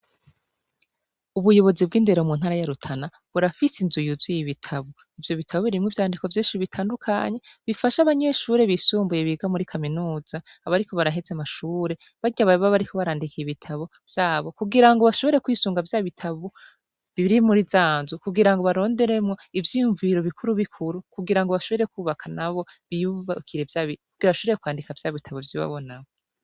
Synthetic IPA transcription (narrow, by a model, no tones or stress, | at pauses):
uβujo̞βo̞zib̚ɡiːnde̞ɾemuːn̥aːɾajaɾutʰana | βuɾafisinzujuzijiβitʰaβo | ivjo̞βitʰaβoβiɾimŋivjaːndiko̞vjiːʃiβitʰaːndukʰa̰ɲe̞βifaʃaβaɲe̞ʃuːɾe̞βisuːmbuje̞βiɡamuɾikʰaminuːz̥aːβaɾiko̞βaɾaɦezeamaʃuːɾe̞ | βaɟaβaβaβaɾikʰo̞βaɾaːndikiiβitʰaβo | vjaːβo̞kuɡiɾaŋɡoβaʃo̞βe̞ɾe̞kwiːsuːŋɡavjaːβitʰaβo | βiβiɾimuɾizaːnzukuɡiɾaŋɡo̞βaɾo̞ːnde̞ɾemŋo̞ivjiːjuɱviɾo̞βikʰuɾuβikʰuɾukuɡiɾaŋɡoβaʃo̞βe̞ɾe̞kuːβakʰanaβo̞βijuβakʰiɾe̞vjaβikuɡiɾaβaʃoβejekwaːndikavjaːβitʰaβovjiβa̰βo̞naβo